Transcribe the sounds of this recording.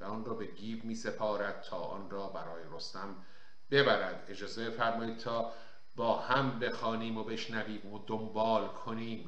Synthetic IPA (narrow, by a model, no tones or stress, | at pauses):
væɒːnrɒːbe̞ɡiːvmiːsepʰɒːɾæd̪̥̚t̪ʰɒːʔɒːnrɒːbæɾɒːjeɾost̪æm | be̞bæɾæd̪e̞d͡ʒɒːze̞be̞fæɾmɒːiːd̪̚t̪ʰɒː | bɒːhæmbe̞xɒːniːmobe̞ʃnæviːmod̪ombɒːlkʰoniːm